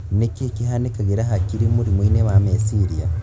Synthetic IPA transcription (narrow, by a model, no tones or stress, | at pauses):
nekekiɦanekaɡeɾaɦakiɾimuɾimwinewamesiɾija